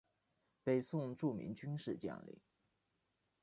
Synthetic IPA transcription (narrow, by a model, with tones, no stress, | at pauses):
pe˨˩ɪsʊ˥˧ŋʈ͡ʂu˥˩mḭ˧˥ŋt͡ɕy˥nʂɻ̩˥˧t͡ɕjɑ̰˥˩ŋlḭ˧˩˦